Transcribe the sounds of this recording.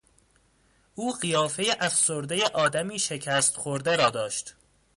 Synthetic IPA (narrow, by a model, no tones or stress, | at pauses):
ʔuːɢijɒːfe̞jeʔæfsoɾd̪eje̞ʔɒːd̪æmiːʃe̞cʰæːst̪xoɾd̪e̞ɾɒːd̪ɒːʃt̪